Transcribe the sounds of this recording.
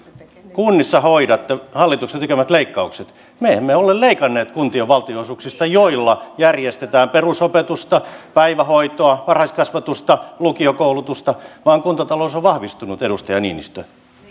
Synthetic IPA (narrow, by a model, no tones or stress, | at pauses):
kunːisːɑhoidɑt̪ːehɑlːit̪ukset̪ekemæt̪leikːɑukset̪ | meemːeolelleikɑnːeːt̪kunt̪ioʋʋɑlt̪ioisuːksist̪ɑjoilːɑjærjest̪et̪æːmperusopet̪ust̪ɑpæiʋæhoit̪oɑʋɑrhɑiskɑsʋɑt̪ust̪ɑlukiokoulut̪ust̪ɑʋɑːŋkunt̪ɑt̪ɑloːsoʋʋɑhʋist̪unut̪eɾust̪ɑjɑnḭːnḭst̪ø